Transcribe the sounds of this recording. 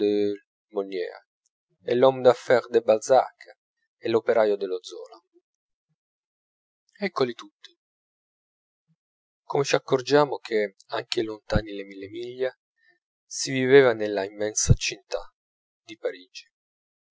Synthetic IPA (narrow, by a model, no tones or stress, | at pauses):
e | monjɛ̰ːa̰ | elːɔmd̪afɛɾd̪ebalza̰kː | ɛlːopeɾaːjod̪elod̪zɔ̰ːla | ɛkːolit̪ut̪ːi̥ | komet͡ʃiakːord͡ʒaːmʊk̟ʰeaŋk̟elont̪aːnilemilːemiʎːa | siviveːvanelːaimːɛnsat͡ʃint̪a | d̪ipaɾiːd͡ʒi̥